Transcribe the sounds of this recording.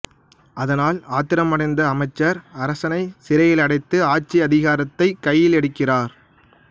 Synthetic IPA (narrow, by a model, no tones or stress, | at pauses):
ɐðɐnaːlaːt̪ɪɾɐmɐɽɐɪnd̪ɐːmɐɪt͡ʃːɐɾɐɾɐsɐnɐɪsɪɾɐjɪlɐɽɐɪt̪ːɯaːt͡ʃiɐðɪɣaːɾɐt̪ːɐɪkɐjːɪlɛɽɯkːɪraːɾ